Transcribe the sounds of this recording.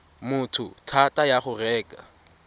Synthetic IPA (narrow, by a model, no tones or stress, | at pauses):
mʊtʰʊ̰tʰatʼajaχʊrɛːkʼa